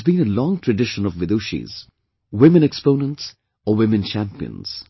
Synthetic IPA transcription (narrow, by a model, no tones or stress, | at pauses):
zbĩːnəlɔ̃ŋtʰɹəɖɪʃə̃nɔvwɪd̪uʃḭz̥ | wɪmə̃nɛkspõʊnə̃nʈs | əwɪmɨ̃nt͡ʃʰæ̃mpiə̰̃nz̥